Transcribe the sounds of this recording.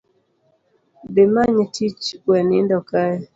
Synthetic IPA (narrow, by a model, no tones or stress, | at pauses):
bɪmaɲetʰit͡ʃwɛnɪndɔkaɛ